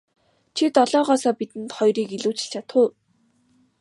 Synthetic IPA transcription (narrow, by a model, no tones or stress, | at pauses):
t͡ɕʰit̪ɔɮɔːʁɔːsɔːpit̪ɘ̆nt̪χɔjriːkiɮuːt͡ɕɪ̥̆ɬt͡ɕʰat̪χʊ̆ː